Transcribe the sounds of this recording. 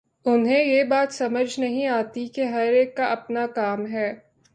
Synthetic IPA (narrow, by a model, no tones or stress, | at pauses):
ʊnɦẽjebaːt̪sɐməd͡ʒʱnɐɦĩaːt̪ikeɦɐɾeːkːaʔɐpnakaːmɦɛː